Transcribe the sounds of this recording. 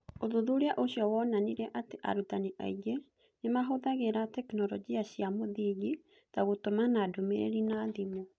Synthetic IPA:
oðuðuɾeaʔoɕiɔwɔnaniɾɛʔateʔa̰ɾutaniʔa̰iɡe | nemaɦoðaɣeɾatɛknɔɾɔd͡ʒiaɕiamoðiɣi | taɣotomanadomḛɾḛɾinaðimo

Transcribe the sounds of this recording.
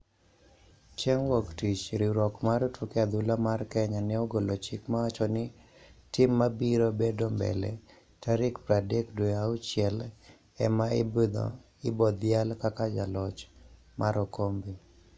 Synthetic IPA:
t͡ʃeŋwɔktit͡ʃɾɪɾɔkmaɾtʰukead̪ʊlamarkɛɲanɪɔɡolot͡ʃɪkmaat͡ʃɔnɪ | tɪmːabiɾobedombɛ̰lɛ̰ | taɾɪkpɾadekdweaʊt͡ʃjɛl | ɛmaɪbid̪ɔ̰ | ɪbɔd̪jalkakad͡ʒalɔt͡ʃ | maɾɔkombi

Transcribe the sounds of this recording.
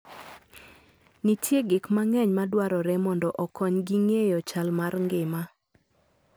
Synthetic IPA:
nitjeɡɪkmaŋɛɲmadwaɾɔɾɛmɔndɔʔɔkʰɔɲɡiŋejɔt͡ʃalmarŋɡɪma

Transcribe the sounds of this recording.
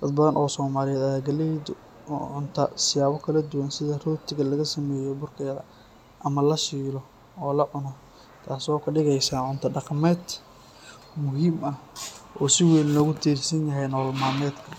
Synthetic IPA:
d̪̥ɐd̪bɐðɐnʔɔːsɔːmaːlɪjɛːd̪ɐɡɐlɛd̪ | ʕʊnt̪ʰɐsɪjaːβɔkʰɐlɐd̪ʊwɐnsɪðɐrɔːt̪ʰɪɣɐlɐɣɐsɐmɛːjɔbʊrkʰɛːðɐ | ʔɐmɐlɐʃiːlɔ | ɔːlɐʕʊnɔ | t̪ʰaːsɔːkʰɐɖɪɣɛjsaːʕʊnt̪ʰɐɖɑqmɛːd̪ | mʊɦiːmʔɐhʔɔːsɪwɛːllɔːɣʊt̪ʰiːrsɐnjɐɦɛjnɔːlmaːmɛːd̪kʰɐ

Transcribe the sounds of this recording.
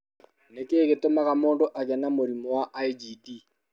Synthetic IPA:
nekʼɪkɪtʼʊmakamʊndɔʔakɛnamʊɾimɔwaʔaid͡ʒidi

